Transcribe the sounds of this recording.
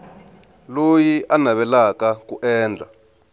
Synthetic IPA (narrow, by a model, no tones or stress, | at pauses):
lojiʔanaβɛlakakuʔɛːnd͡ɮʱa